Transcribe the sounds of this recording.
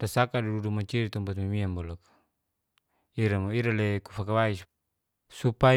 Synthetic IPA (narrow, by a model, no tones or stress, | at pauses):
dasakadududumat͡ʃiɾit̪ɔmbat̪mimiambɔlakḁ | iɾamoiɾalekufakawais | supa